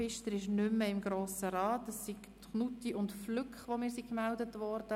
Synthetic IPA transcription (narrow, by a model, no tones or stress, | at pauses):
ɪʃtəɾɪʃnʏmmːəɪmɡɾoːsəɾɑːtəsːik | tχnutiʊntflʏkχʋomɪːɾsikmældətʋɔɾd̥ə